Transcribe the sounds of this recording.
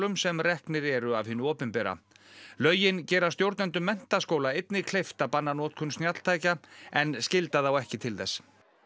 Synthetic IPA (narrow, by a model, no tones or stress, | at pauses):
lʏmsɛmrɛhknɪɾɛɾʏavhɪːnːʏɔːpɪnpɛɾa̰ | lœːɥjɪncɛːɾast̪jowɾt̪nɛnt̪ʏmːɛn̥t̪askoːwlaejt̪nɪkʰlejft̪apanːanɔːt̪̚kʰʏnst̪njat̪l̥t̪ʰaːjcaɛnscɪlt̪aθawɛhcɪt̪ʰɪlθɛsː